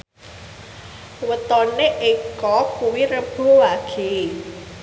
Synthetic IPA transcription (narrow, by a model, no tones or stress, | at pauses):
wət̪ɔneʔekɔkuwiɾəb̥o̤waɡ̥e